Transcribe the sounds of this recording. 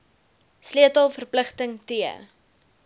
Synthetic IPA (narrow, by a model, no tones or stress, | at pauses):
sliətəlˠfərpləχtəŋtiə